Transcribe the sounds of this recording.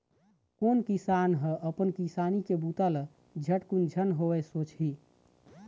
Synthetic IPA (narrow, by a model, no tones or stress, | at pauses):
konkisanɦəʔəpənkisanikebut̪əl | d͡ʒʱəʈkund͡ʒʱənɦowɛsot͡ʃɦi